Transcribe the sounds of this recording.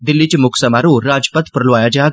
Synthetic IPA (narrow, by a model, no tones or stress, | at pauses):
d̪ɪlːit͡ɕemʊksəmaɾũɾad͡ʑpət̪pɾɐlʋajad͡ʑa